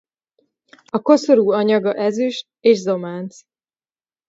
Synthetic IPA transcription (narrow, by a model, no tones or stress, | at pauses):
ɒko̞soɾuːɒɲɒɡɒʔɛzyʃ | eːʒzo̞maːnt̪s